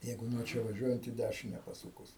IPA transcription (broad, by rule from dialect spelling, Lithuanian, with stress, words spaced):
ˈjɛɪɡʊ nuɔ ˈt͡ʃʲɛ ʋɐˈʒʲuɔjɛnt iː ˈdʲæʃʲɪnʲɛ pɐˈsuːkʊs